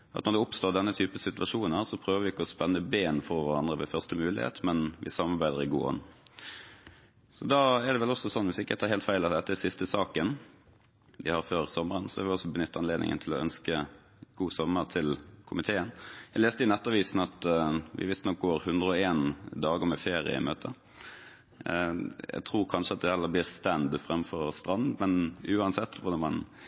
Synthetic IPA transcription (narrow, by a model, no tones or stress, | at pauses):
ʔɑ̰t̪nɔʁd̪ɛʊpst̪oːd̪ɛnːət̪ʰyːpəsɪt̪ʉʋɑʂuːnnæːʁsɔpʰɾøːʋəʋɪɪkːəɔspɛnːəbeːnfɔʋæʁɑnd̪ʁəʋɛfœʁst̪əmʉːlɪ̰hḛːt̪mɛnʋʔɪ̰sɑmːɑɾbæɪd̪əɾɪɡṵːɔ̰nː | sɔd̪ɑːɛd̪ɛʋɛlɔsɔsɔnːʋɪsɪkːət̪ʰɑːɾɦeːlt̪fæɪlɑt̪d̪ɛt̪ːəæsɪst̪əsɑːkən | ʋɪhɑɾføːɾsɔməʁənsɔæɾʋɪɔsːɔbənʏt̪ːɑnleːd̪nɪ̰ŋə̰nt̪ʰɪlɔœnskə | ɡ̥uːsɔmːəɾt̪ʰɪlkʰʊmɪt̪ʰeːənjæɪleːst̪əɪnɛt̪ːɑʋiːsn̩ɑt̪ʋʔɪ̰ʋɪst̪nɔk̚ɡoːɾhʉnd̪ʁəɔeːnd̪ɑːɡəɾmɛfeːɾɪə̰ɪ̰møːt̪ʰə | jæ̰t̪ʰɾuːɾkʰɑnʂəɑt̪̚d̪ɛhɛlːəbliːɾst̪ænd̪fɾɛmːfɔɾst̪ɾɑnd̪mɛnʉːɑnsɛt̪ːʋʊd̪ɑmɑn